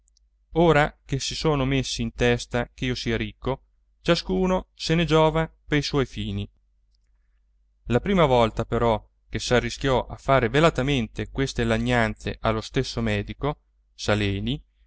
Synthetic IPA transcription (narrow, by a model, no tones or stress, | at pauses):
oːɾak̟esisoːnomesːiːnt̪ɛst̪ak̟eiːosiːaɾikːo | t͡ʃaskuːnosened͡ʒɔːvapejswɔjfiːni | lapɾiːmavɔlt̪apeɾɔ | kesarːisk̟ʲjɔʔafːaːɾevelat̪ament̪ekwest̪elaɲːant̪sḛʔalːost̪esːomɛːd̪iko | salɛːni